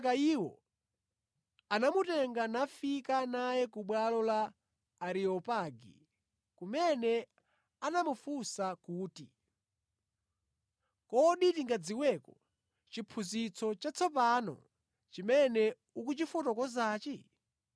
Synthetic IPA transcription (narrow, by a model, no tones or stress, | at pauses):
kaiwɔ̰ | anamutɛŋɡanafikanajɛkuɓwalɔlaː | ɾiɔpaɡḭ | kumɛnɛ | anamufusakuːtḭ | kɔɗitiŋɡad͡ziwɛkɔ | t͡ʃipʰuzit͡sʰɔt͡ʃat͡sʰɔp̬anɔ̰ | t͡ʃimɛnɛ | ukut͡ʃifutɔkɔzaːt͡ʃɛ